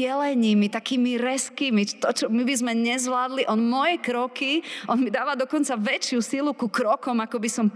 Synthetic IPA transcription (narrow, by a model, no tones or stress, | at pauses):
ɛlɛɲiːmit̪akiːmiɾɛskimit̪ɔt͡ʃɔmibizmɛɲɛzʋlaːd̪liʔɔnmɔjɛkɾɔkiʔɔnmid̪aːʋad̪ɔkɔnt͡saʋɛt͡ʃɪusilukukɾɔkɔmakɔbisɔmp